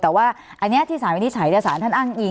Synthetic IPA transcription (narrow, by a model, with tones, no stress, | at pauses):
t̪ɛː˨˩waː˥˩ʔa˧nːi˦˥t̪ʰiː˥˩saː˨˩˦nwi˧˩i˦˥t͡ɕʰaː˩˦j̪saː˩˦nt̪ʰa˥˩nʔaː˥˩ŋʔi˧